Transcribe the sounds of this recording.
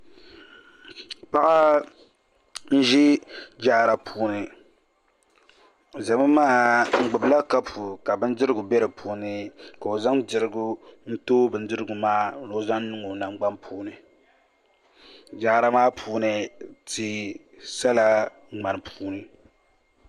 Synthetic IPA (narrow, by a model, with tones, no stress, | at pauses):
pa˦ʔa˦ | n̩˦ʒi˦d͡ʒaː˦˨ɾa˨pʰuː˦nɨ˨ | za˨mɨ˦maː˦˨ŋ͡m̩˦ɡ͡bʊ˨bla˦ka˦pʰu˨ka˨bɨ˦n̩˦dɨ˦ɾɨ˦ɡu˨bɛ˦ɾɨ˨pʰuː˦nɨ˦ka˨o˨za˦mdɨ˨ɾɨ˦ɡu˦n̩˦toː˦bɨ˨n̩˦dɨ˦ɾɨ˦ɡu˨maː˦˨lo˦za˦nː˦ɨ˦ŋo˨na˦ŋ͡mɡ͡ba˦mpʰuː˦nɨ˨ | d͡ʒaː˦ɾa˦maː˦pʰuː˦nɨ˦ti˨ | sa˦la˦˨ | ŋ͡ma˨nɨ˨pʰuː˦nɨ˨